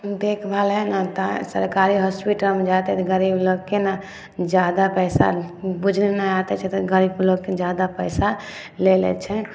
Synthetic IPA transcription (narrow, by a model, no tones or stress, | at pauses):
d̪ekʰbʱalɦɛnat̪asə̰ɾkaɾiɦɔspiʈəlmed͡ʒat̪ɛt̪ɔɡəɾibloɡ̚kena | d͡ʒad̪apəjsa̰bud͡ʒʱnenaat̪ɛt͡ʃʰɛt̪ɔɡəɾibloɡked͡ʒad̪apəjsa | lelɛ̰t͡ʃʰɛ